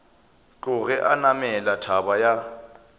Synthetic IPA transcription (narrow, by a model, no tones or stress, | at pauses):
t͡ɬʼʊɣɛʔanamɛlatʰabaja